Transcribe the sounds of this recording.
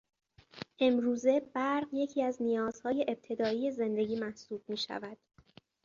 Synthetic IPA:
ʔe̞mɾuːze̞bæɾɢje̞cʰiːæznijɒːz̥hɒːje̞ʔeb̚t̪ʰe̞d̪ɒːiːje̞ze̞nd̪e̞ɟiːmæhsuːb̥̚miːʃæ̰væd̪̥

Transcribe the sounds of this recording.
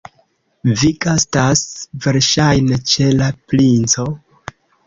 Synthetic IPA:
viɡastasve̞ɾʃajne̞t͡ʃe̞laplint͡so̞

